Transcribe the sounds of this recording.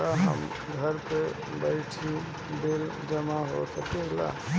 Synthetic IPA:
aɦə̰m | ɡʱəɾpe | bəɪt͡ʃʰi | d̪el | d͡ʒɐmaɦo̰səkela̰

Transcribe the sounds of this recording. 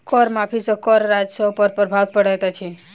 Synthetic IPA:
kɔɾmapʰisəkɔɾɾad͡ʒsəpəɾpəɾbʱat̪̚pəɽɛt̪ɔt͡ʃʰi

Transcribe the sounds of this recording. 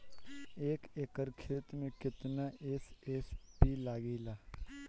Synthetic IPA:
eːkeːkəɾkʰeːt̪mẽkɪt̪naʔeːseːspilaːɡilaː

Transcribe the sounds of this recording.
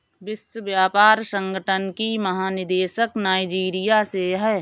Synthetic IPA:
ʋɪswəʋjaːpaːɾsə̃ŋɡʱəʈʰənkimɐɦaːnɪd̪eːʃəknaːɪd͡ʒiːɾijaseɦɛː

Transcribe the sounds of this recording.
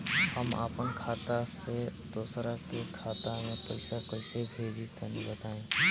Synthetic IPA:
həma̰ːpənkʰaːt̪ased̪oːsɾakekʰaːt̪amẽpəɪsakoɪsebʱeːd͡ʒit̪ʰenibət̪aːẽː

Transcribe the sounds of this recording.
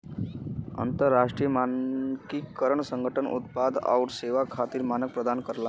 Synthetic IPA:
ə̰nt̪əɾːaʂʈɾijəmankikəɾəɳsəŋɡʱəʈənṵt̪̚pad̪a̰uʈseʋakʰat̪iːɾmanək̚pɾəd̪ʱankəɾla

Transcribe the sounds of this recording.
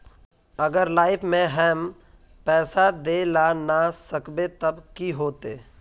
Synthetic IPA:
əɡəɾlaːɪpʰmẽɦɛːm | pɛːsad̪elanasəkbet̪əbkiɦoːt̪eː

